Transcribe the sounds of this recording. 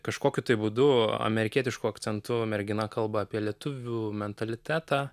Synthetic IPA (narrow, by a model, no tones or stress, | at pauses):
kɐʃkoːkʲʊt̪ɐɪbuːd̪ʊɐ̰mʲɛɾʲɪkʲiɛt̪ʲɪʃkʊɐkt̪sʲɛnt̪ʊmʲɛɾʲɡʲɪnɐkɐlˠbɐːpʲiɛlʲiɛt̪ʊʋʲuːmʲɛnt̪ɐlʲɪt̪ʲæːt̪ɑː